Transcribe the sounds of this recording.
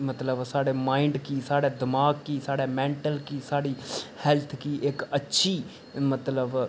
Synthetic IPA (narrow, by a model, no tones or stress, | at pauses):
mət̪ləbsaːɽeːmaːɪɳɖkiːsaːɽeːd̪ɪmaːɡkiːsaːɽeːmɛ̃ːɳʈəlkiːsaːɽiːhɛːlt̪ʰkiːʔɪkətːʃʰiː | mət̪ləb